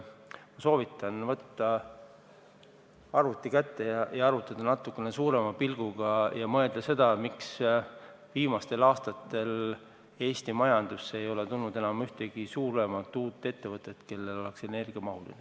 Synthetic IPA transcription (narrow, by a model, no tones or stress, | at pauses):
mɑso̞ːvit̪ːˑɑnvɤt̪ːɑ | ɑrut̪ːˑikæt̪ːe̞jɑjɑɑɾut̪ːˑɑd̪̥ɑnɑt̪ːˑukːˑe̞nesuːɾe̞mɑpilɡ̥uɡ̥ɑjɑmɤe̞ld̪̥ɑse̞d̪̥ɑmiks | viːmɑst̪e̞lɑːst̪ɑt̪ːe̞l | e̞ːst̪imɑjɑnd̪̥usːeejo̞le̞t̪ulnud̪e̞nɑmyht̪e̞ɡ̥isuːɾe̞mɑt̪ːˑuːt̪ːˑe̞t̪ːevɤt̪ːˑe̞t̪ke̞lːe̞lo̞le̞kse̞ne̞rɡ̥iɑmɑɦulḭne